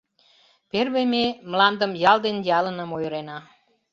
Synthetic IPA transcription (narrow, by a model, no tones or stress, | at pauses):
perβememlɑnd̪əmjɑld̪enjɑlənəmojɾenɑ